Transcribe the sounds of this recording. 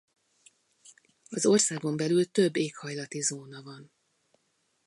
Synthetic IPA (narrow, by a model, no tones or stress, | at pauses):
ɒzo̞rsaːɡo̞mbɛlylt̪øbːeːkhɒjlɒt̪izoːnɒvɒn